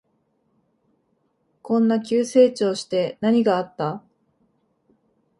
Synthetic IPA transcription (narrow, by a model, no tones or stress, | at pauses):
kõ̞nːakʲɨːse̞ːt͡ɕo̞ːɕi̥t̪e̞naɲ̟iɡaːt̪ːa